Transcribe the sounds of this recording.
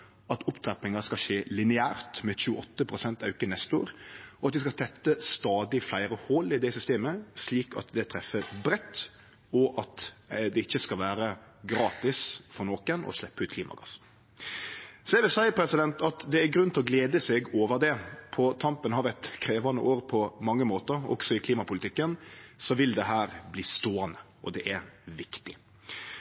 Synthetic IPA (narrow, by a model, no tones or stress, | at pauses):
ɑt̪ʰʊpt̪ɾɛpnɪŋɑskɑʃeːlɪnɪæːɾt̪mɛçʉːəʔɔt̪ːəpʰɾʊsɛnt̪ɑʉkənɛst̪o̰ːɾɔɑt̪̚d̪ɪskɑt̪ʰɛt̪ːəst̪ɑːd̪ɪflæɪɾəhoːlɪd̪ɛɪsʏst̪eːməsliːkɑ̰t̪d̪ɛt̪ʰɾɛfːəbɾɛt̪ː | ɔʔɑt̪d̪ɛɪçːəskɑlʋæːɾə | ɡɾɑːt̪ɪsfɔɾnoːkənɔ̰slɛpːəʉːt̪kʰliːmʔɑ̰ɡɑs | sɔɛʋɪlsæɪəpʰɾɛsɪd̪ɛnt̪ɑt̪d̪ɛæɾɡɾʉnt̪lɔɡleːd̪əsɛɡoːʋəɾd̪ɛpʰɔt̪ʰɑmpənhɑɾʋɛt̪kʰɾeːʋɑnə̰ʔoːɾpʰɔmɑŋːəmoːt̪əɾɔ̰ksɔɪkʰliːmɑpʊlɪt̪ʰɪkːənsɔʋɪld̪ɛɦæːɾbliːst̪oːɑnə | ʔɔd̪ɛʔæɾʋɪkt̪ɪ